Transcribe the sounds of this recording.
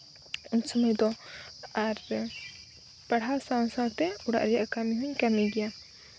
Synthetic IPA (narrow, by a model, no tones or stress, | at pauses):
uɲsɔməjd̪ɔaɾ | paɽɦasaw̃saw̃t̪ɛuɽa̰ʔɾɛjaʔkamiɦuɲkamiɡɛja